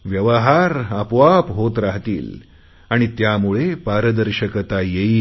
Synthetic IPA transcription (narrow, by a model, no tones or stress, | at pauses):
ʋjəʋəɦaɾəpʋapɦot̪ɾaɦt̪ḭːl | aɽ̃it̪jamuɭepaɾəd̪əɾɕəkət̪ajeiː